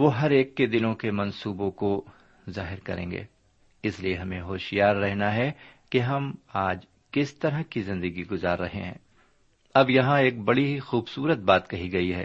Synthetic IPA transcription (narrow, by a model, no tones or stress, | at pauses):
ʋoːɦɐɾeːkːed̪ɪnõkemɐ̃nsuːbõko | zaːɦɪɾkɐ̰ɾḛ̃ːŋɡḛː | ɪslieɦɐmẽɦoːʃijaːɾːɛɦnaɦɛkeɦɐmaːd͡ʒ | kɪst̪ɐɾəɦkizɪ̃nd̪əɡiɡʊzaːɾːɐɦḛɦɛ̰̃ː | ɐbjɐɦãeːk̚bɐɽixuːbsuːɾət̪̚baːt̪kɐɦiɡɐiɦɛ̰ː